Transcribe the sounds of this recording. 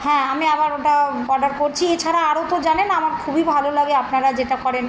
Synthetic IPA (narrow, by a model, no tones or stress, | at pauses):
hɛ̃amiabaɾoʈaɔɾɖaɾkoɾt͡ɕʰiet͡ɕʰaɾaaɾot̪od͡ʑanenamaɾkʰubibʱalolaɡeapnaɾad͡ʑeʈakɔɾen